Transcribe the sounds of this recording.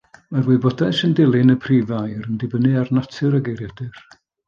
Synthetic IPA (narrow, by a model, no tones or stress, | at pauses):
marwɨbɔdajsəndɪlˠɪnəpʰriːvajɾəndɪbənɨarnɔtʰɨɾəɡejɾjadɪr